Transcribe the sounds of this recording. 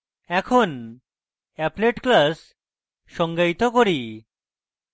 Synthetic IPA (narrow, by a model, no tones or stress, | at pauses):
ɛkʰon | ɛpleʈklasː | ɔŋɡajt̪okoɾi